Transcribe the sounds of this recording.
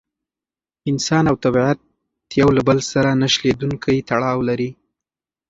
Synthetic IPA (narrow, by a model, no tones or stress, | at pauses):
ɪnsɑnawt̪abiʕat̪̚ː | jawlabəlsaɾanaʃled̪uŋkʰajt̪aɽɑwlaɾi